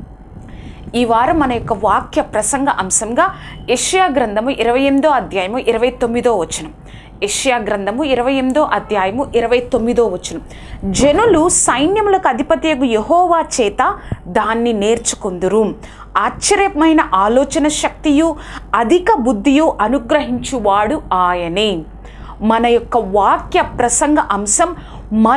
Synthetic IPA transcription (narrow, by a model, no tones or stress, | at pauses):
iːʋaːɾumɐnɐjɔkːɐʋaːkjɐpɾɐsɐŋɡʱɐʔɐmsɐmɡaːeʂɐjaːɡɾɐnd̪ʱɐmuʔiɾɐʋɐjemid̪o̞ːɐd̪ʱjaːjɐmuʔiɾɐʋɐjt̪o̞mːid̪o̞ːʋɐt͡ʃːinɐm | eʂɐjaːɡɾɐnd̪ʱɐmuiɾɐʋɐjemid̪o̞ːʔɐd̪ʱjaːjɐmuʔiɾɐʋɐjt̪o̞mːid̪o̞ːʋɐt͡ʃːinɐm | d͡ʒenulusɐjnjɐmulɐkuɐd̪ʱipɐt̪ijɐɡujeɦɔːʋaːt͡ʃɛːt̪ɐd̪aːnːine̞ːɾt͡ʃu̥kond̪uɾu | aːtːʃɐɾjɐmɐjnɐʔaːlɔːt͡ʃɐnɐʃɐk̚t̪ijuɐd̪ʱikɐbud̪ːijuʔɐnuɡɾɐɦiɲt͡ʃuʋaːɽuaːjɐni | mɐnɐjɔkːɐʋaːkjɐpɾɐsɐŋɡɐʔɐmsɐmː | ɐ